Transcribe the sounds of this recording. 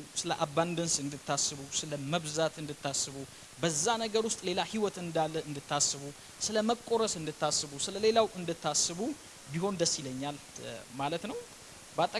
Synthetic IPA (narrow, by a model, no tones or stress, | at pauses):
sɨləʔabːand̪ɨnsɨnd̪ɨt̪ːasɨβusɨləməβzat̪ɨnd̪ɨt̪ːasːɨβu | bəzːanəɡəɾwʊst̪ʼle̞lahiwɔt̪ɨnd̪alːəɨnd̪ɨt̪ʰːasːɨβu | sɨləməkʼo̞ɾəsɨnd̪ɨt̪ːasːɨβusɨləle̞lawʔɨnd̪ɨt̪ːasːɨβu | biho̞nd̪əsːiləɲːalmalət̪nəw | bəat̪ʼːə